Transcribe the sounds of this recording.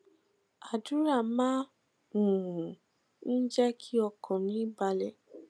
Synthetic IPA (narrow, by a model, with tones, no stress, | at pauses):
a˨du˨˦ɾa˦˨mã˦ | ũ˨ũ˨ | n̩˦d͡ʒɛ˦kʰi˦ɔ˧kʰɔ̃˨mĩ˨˦ba˧lɛ˨